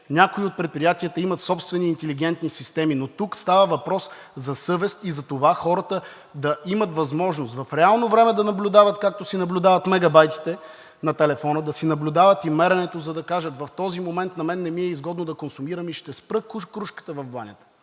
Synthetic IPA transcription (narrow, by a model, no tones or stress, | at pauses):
nʲakoiot̪̚pɾɛt̪pɾijat̪iət̪əimɐt̪sɔpst̪vɛniːnt̪ɛliɡɛnt̪nisist̪ɛminot̪ukst̪avəvɐpɾɔs | zɐsɤvɛst̪izɐt̪ovaxɔɾət̪ə | d̪ɐimɐt̪vɐzmɔʒnost̪vɐfɾɛalˠnovɾɛmɛd̪ɐnɐblʲʊd̪avɐt̪kak̚t̪osinɐblʲʊd̪avɐt̪mɛɡɐbajt̪i̥t̪ɛ | nɐt̪ɛlɛfɔnəd̪ɐsinɐblʲʊd̪avɐt̪imɛɾɐnɛt̪ozɐd̪ɐkaʒət̪vɐft̪ɔzimomɛnt̪nɐmɛnːɛmiɛizɡɔd̪nod̪ɐkonsumiɾəmiʃt̪ɛspɾɤkukɾuʃkə̥t̪əvɐvbanʲət̪ə̥